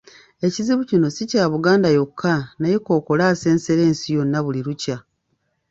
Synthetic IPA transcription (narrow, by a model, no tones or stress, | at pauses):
e̞ciziβucino̞sicaːβuɡaːndajo̞kʰːanaje̞ko̞ːko̞laːse̞ːnse̞ɾe̞ːnsijo̞nːaβuliɾuca